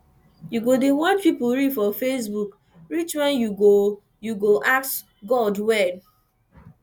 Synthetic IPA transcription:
juɡodewãntpipuɹidfɔfesbuk | ɹit͡ʃwɛ̃njuɡo | juɡoʔaks | ɡɔdwɛd

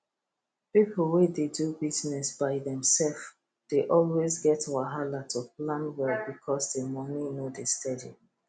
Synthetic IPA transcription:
pipl̩wededubiznɛsb̥aɪðɛ̃msɛlf | d̥eʔɔlwezɡɛtawaɦalatuplãnwɛlbikʰɔsdemɔninodestɛdi

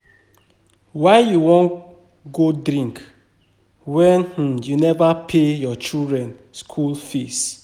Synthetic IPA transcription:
waɪjuwɔ̃n | ɡodɾĩŋk | wɛ̃nh̩junɛvapʰejɔt͡ʃildɹɛ̃n | skʰulfes

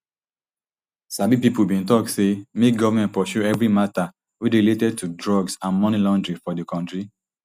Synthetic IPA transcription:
sabipipulbĩntɔk̚semek̚ɡɔvamɛ̃nt̚pɔʃuɛvɹimata | wiɹiletɛd̚tʰudɹɔɡsãnmɔnilɔ̃ndɹĩfɔdekɔ̃ntɹi

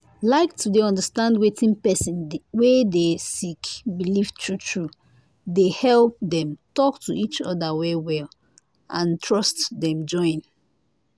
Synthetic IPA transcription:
laɪktʰudeɔ̃ndəstãndwetʰĩnpɛsĩnwedesikbilivtʰɹutʰɹu | dehɛlp̚dɛ̃mtɔktʰuʔit͡ʃɔ̰dawewɛl | ʔãntʰɹɔstdɛ̃md͡ʒɔ̃ɪ̃n

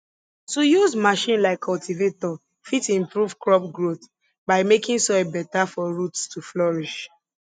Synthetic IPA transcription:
tujuzmaʃĩnlaɪkʰːɔltʰivetɔ | fitĩmpɹuvkɹɔp̚ɡɹoθ | baɪmekĩŋsɔjbɛtafɔɹutstuflɔɹiʃ

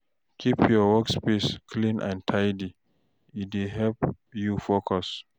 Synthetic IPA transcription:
kʰipʰjɔwɔkspeskʰlĩnʔã̰ntʰajdi | ideɦɛlp | jufokʰɔs

